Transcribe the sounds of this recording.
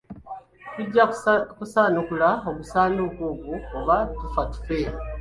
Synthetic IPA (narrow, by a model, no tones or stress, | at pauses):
tuɟːakusaːnukulaoβusaːnuβwoːβukuβatufatu̥fe